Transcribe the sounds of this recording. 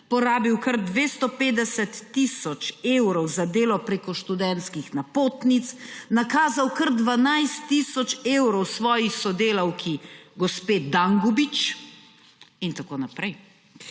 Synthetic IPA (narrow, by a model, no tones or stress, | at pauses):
pɔɾaːbiwkɐɾd̪ʋeːst̪ɔpeːd̪ɛsɛt̪ːisɔt͡ʃewɾɔwzad̪eːlɔpɾeːkɔʃt̪ud̪ɛnt̪skixnapoːt̪nit̪snakaːzawkɐɾd̪ʋanajst̪ːisɔt͡ʃewɾɔwsʋɔːjixsɔd̪eːlɐwkʰiɡɔspeːd̪aŋɡɔbit͡ʃ | int̪akoːnapɾɛj